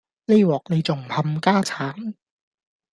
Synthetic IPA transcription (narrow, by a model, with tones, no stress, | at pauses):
le˥wɔː˨k̚ne˨˧jt͡sʊ˨˩ŋt̪ʰɐ˧mkaː˥t͡sʰaː˨˥n